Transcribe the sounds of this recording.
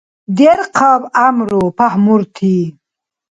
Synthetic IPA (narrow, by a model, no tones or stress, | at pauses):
d̪eɾqʰabamɾopahmuɾt̪ʰi